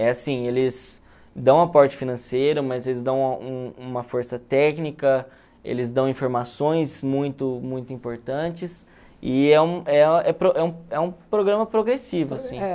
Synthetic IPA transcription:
ɛasĩelɪs | d̪ɐ̃w̃apɔɾt͡ʃɪ̥finɐ̃sejɾʊmɐzelɪzd̪ɐ̃w̃ũũmɐfoɾsɐt̪ɛknikɐ | ḛlɪzd̪ɐ̃w̃ĩfoɾmasõj̃smũj̃t̪ʊmũj̃t̪ʊĩmpoɾt̪ɐ̃t͡ʃɪs | ɪɛũɛɛpɾoʔɛũɛũpɾoɡɾɐ̃mɐpɾoɡɾesivʊasĩ

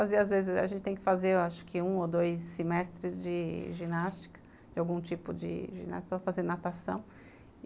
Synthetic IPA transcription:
fazeɾazvezɪza̰ʒẽnt͡ʃɪt̪ẽj̃kɪ̥fazeaʃʊ̥kɪũod̪ojsːimɛst̪ɾɪzd͡ʒɪʒinast͡ʃi̥kɐ̥ | d͡ʒɪawɡũt͡ʃipʊd͡ʒɪ̰ʒḭ̃na̰ʃt̪fazẽɾnat̪asɐ̰̃w̃

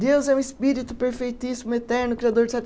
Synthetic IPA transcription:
d̪ewzɛũɪspiɾit̪ʊpeɾfejt̪isimʊet̪ɛɾnʊkɾiad̪oɾd͡ʒɪsat̪

